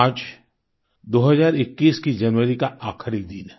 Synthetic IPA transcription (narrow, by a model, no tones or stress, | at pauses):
aːd͡ʒ | d̪oːɦəzaːɾɪkːiːskid͡ʒɐnʋəɾikaʔaːkʰəɾid̪in